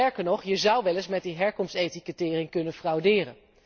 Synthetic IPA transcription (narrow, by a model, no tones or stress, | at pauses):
ɛɹkəɹnɔχjəzʌwʋɛlɪsmɛt̚diɦɛɹkɔmstejtikətɪːrɪŋkɵnənfrɑwdɪːrə̰n